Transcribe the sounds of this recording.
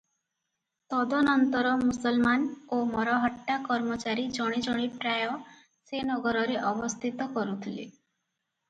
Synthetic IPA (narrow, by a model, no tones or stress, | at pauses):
t̪ɔd̪ɔnɔnt̪ɔɾɔmusɔlmanomɔɾɔɦɔʈːakɔɾmɔt͡ʃaɾid͡ʒɔɽ̃id͡ʒɔɽ̃ipɾajɔ | senɔɡɔɾɔɾeʔɔbɔst̪ʰit̪ɔkɔɾut̪ʰilḛ